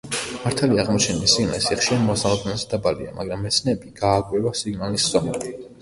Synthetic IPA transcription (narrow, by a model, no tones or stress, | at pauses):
maɾt̪ʰaliaʁmɔt͡ʃʰɛnisiɡna̰lisiχʃiɾanmɔsalˠɔb̪nɛnzɛd̪abalḭa̰mʔa̰ɡɾamːɛt̪sʰnɛːbiɡ̥aːkʼwɛvasiɡnalisz̥ɔmɛi